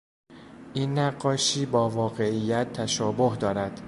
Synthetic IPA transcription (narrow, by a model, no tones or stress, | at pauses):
ʔiːnːæɢːɒːʃiːbɒːvɒːɢe̞ʔijːæt̪ʰːæʃɒːboɦd̪ɒːɾæd̪̥